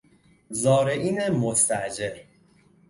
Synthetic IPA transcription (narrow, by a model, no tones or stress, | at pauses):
zɒːɾeʔiːnemost̪æʔd͡ʒeɾ